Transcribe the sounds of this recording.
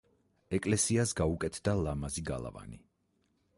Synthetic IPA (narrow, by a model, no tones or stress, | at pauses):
ɛkʼlɛsiasɡaukʼɛt̪ʰd̪alamaziɡa̰lˠa̰va̰ni